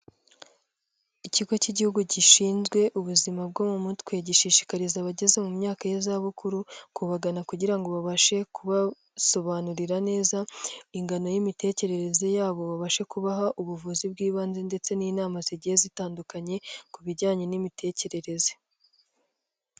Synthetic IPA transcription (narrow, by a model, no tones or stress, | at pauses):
iciɡo̞ciɟihuɡuɟiʃiːnzɡwe̞ʔuβuzimab̚ɡoːmumutkweɟiʃiːʃi̥kaɾizaβaɟe̞ze̞mumɲaːkajezaβukuɾukuβaɡanakuɟiɾaŋɡo̞βaβaʃe̞kuβa | so̞βanuɾiɾane̞ːzaiŋɡano̞jimite̞ːce̞ɾe̞ɾe̞ze̞jaːβo̞βaβaʃe̞kuβaɦaʔuβuvuzib̚ɡiːβaːnzende̞t͡se̞niːnaːmaziɟihe̞zitaːndukaɲe̞kuβiɟaːɲe̞nimitʰe̞ːce̞ɾe̞ɾe̞ze